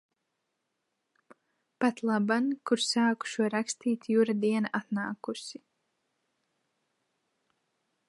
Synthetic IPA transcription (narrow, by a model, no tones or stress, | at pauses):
pat̪lˠabankuɾsaːku̥ʃuɔɾakst̪iːt̪juɾad̪iɛnaʔat̪naːkusi